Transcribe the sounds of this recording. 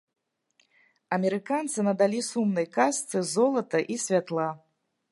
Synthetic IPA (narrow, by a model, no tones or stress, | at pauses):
ɐmʲɛɾɨkant̪sɨnɐd̪alʲisumnɐjkast̪sɨzɔlˠɐt̪ɐʔisʲvʲat̪lˠa